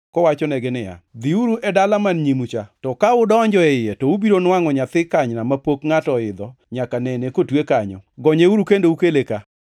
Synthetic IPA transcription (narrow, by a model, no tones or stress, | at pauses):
kɔwat͡ʃɔnɛɡɛnɪja̰d̪iuɾuʔɛdalamanɲimut͡ʃatɔkaʊdɔɲd͡ʒɔɛɪjetɔubiɾonwaŋɔɲat̪ɪkaɲnamapokŋatɔɪd̪ɔ | ɲakanɛnekotwekaɲɔ̰ɡɔɲeuɾukendoukeleka